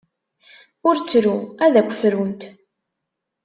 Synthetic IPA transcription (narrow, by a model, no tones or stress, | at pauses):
ʊɾt͡sːɾuæðækʷːə̥fɾunt̪